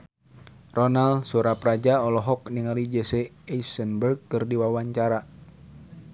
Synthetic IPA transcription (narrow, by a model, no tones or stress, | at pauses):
rɔnalsuɾaprad͡ʒaɔlɔɦɔk̚niŋalid͡ʒəseaisənbərɡ̚kɨrdiwawaɲt͡ʃaɾa